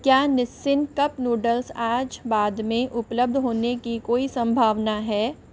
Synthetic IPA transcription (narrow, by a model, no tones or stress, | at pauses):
kjaːnɪsːɪnkɐpnuːɖəlsaːd͡ʒbaːd̪mẽʔʊpləb̚d̪ʱɦoːnekikoːisɐ̃mbʱaːʋnaɦɛː